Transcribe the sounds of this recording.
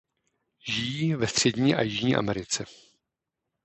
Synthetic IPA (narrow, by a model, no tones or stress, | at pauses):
ʒɪjiːvɛst̪r̝̥ɛɟɲiːʔa̰jɪʒɲiːʔa̰mɛɾɪt͡sɛ